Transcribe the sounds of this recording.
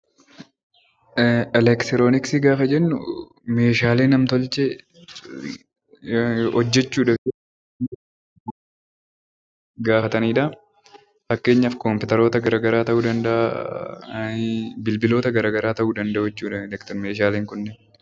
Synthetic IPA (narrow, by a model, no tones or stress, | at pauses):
ɛlɛkt̪ɾoːnɪksiɡaːfɐd͡ʒɛnːʊ̰ | me̞ːʃaːleːnɐmt̪ɔlt͡ʃɛ | ɔd͡ʒːɛt͡ʃːuːᶑɐfɪ | ɡaːfɐt̪ɐniːᶑɐ | fɐkːe̞ːɲːɐfkɔmpɪt̪ɐɾo̞ːt̪ɐɡɐɾaːɡɐɾaːt̪ɐʔuːd̪ɐnd̪ɐʔ | bɪlbɪlo̞ːt̪ɐɡɐɾaːɡɐɾaːt̪ɐʔuːd̪ɐnd̪ɐɛt͡ʃːuːᶑɐlɛkt̪meːʃ̬aːleːŋkʊnːɛ